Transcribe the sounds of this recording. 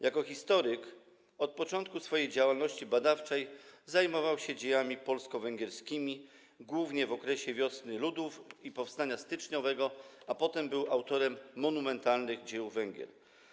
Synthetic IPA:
jʔakɔxʲist̪ɔɾɘk | ɔt̪̚pɔt͡ʂɔnt̪̚kusfɔjejd͡ʑawalnɔɕt͡ɕibad̪aft͡ʂɛjzajmɔvawɕɛd͡ʑejamʲipɔlskɔvɛŋɡʲɛɾskʲimʲi | ɡwuvɲɛvɔkɾɛɕɛvʲjɔsnɘlud̪ufipɔfst̪aɲast̪ɘt͡ʂɲɔvɛɡɔapɔt̪ɛmbɘwawt̪ɔɾɛmːɔnumɛnt̪alnɘɣd͡ʑɛjuvɛŋɡʲɛ̰ɾ

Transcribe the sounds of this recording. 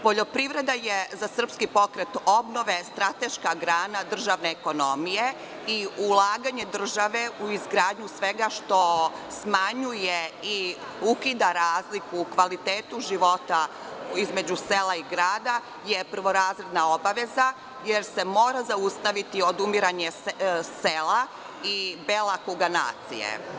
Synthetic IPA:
po̞ʎo̞pɾiʋɾe̞d̪ajezasr̩pskipo̞kɾet̪o̞bno̞ʋe̞st̪ɾat̪eʃkaɡɾaːnad̪r̩ʒaʋneːko̞no̞mije | iulˠaːɡaɲe̞d̪r̩ʒaʋe̞uizɡɾaːd̪ɲusʋe̞ɡaʃt̪o̞smaɲujei | ukid̪aɾaːzlikuːkʋalit̪eːt̪uʒiʋo̞t̪a | izme̞d͡ʑuselˠaiɡɾaːd̪a | je̞pr̩ʋo̞ɾaːzɾe̞d̪naobaʋe̞za | jeɾse̞mo̞ːɾazaust̪aʋit̪io̞d̪umiɾaɲe̞sela | ibelakuɡana̰ːt̪sḭjḛ

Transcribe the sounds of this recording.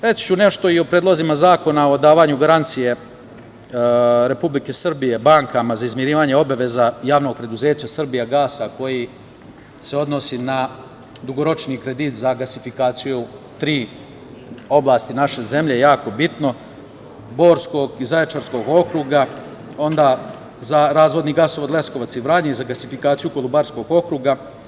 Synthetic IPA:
ɾet͡ʃi̥t͡ɕune̞ʃt̪o̞iopɾed̪lozimazaːko̞nao̞d̪aːʋaɲuɡaɾant̪sije̞ | ɾe̞publike̞sr̩bije̞baŋkamazaizmjeɾiːʋaːɲeo̞baʋe̞zajaːʋno̞ɡ̚pɾe̞d̪uze̞ːt͡ɕasr̩bijaɡaːsako̞ji | se̞o̞d̪no̞sina | d̪uɡo̞ɾo̞t͡ʃniːkɾe̞d̪iːt̪zaɡasifikaːt̪siju | t̪ɾiː | o̞blˠaːst̪inaʃe̞ze̞mʎe̞jejaːko̞bit̪no̞ | bo̞ːɾsko̞ɡizaet͡ʃaɾsko̞ɡo̞kɾuːɡa | o̞nd̪aː | zaɾaːzʋo̞d̪niɡasoʋod̪lesko̞ʋat̪siʋɾaɲeizaɡasifikaːt̪sijuko̞lubaɾsko̞ɡo̞kɾuːɡa

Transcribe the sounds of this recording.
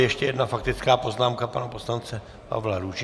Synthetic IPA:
jɛʃcɛjɛdnafakt̪ɪt͡skaːpo̞znaːmkapanaposlant͡sɛ | pa̰vlaɾuʒ

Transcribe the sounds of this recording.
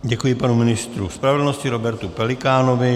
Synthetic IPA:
ɟɛkujɪpanumɪnɪst̪ɾuspɾavɛdl̩noscɪɾobɛɾt̪upɛlɪkaːnovɪ

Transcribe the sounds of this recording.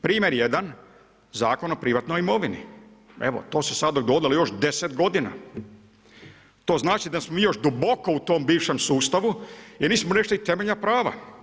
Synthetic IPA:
pɾiːme̞ɾjed̪an | zaːkono̞pɾiʋat̪nojimo̞ʋinḭ | eʋo̰t̪o̞ːsesad̪d̪oɡo̞d̪ilojo̞ʃd̪e̞set̪ɡo̞d̪ina̰ | t̪o̞ːznaːt͡ʃid̪asmomiːjo̞ʃd̪ubo̞ko̞ut̪o̞ːmbiːʋʃe̞msuːst̪aʋujeɾniːsmone̞ʃt̪oit̪e̞meʎnapɾaːʋa̰

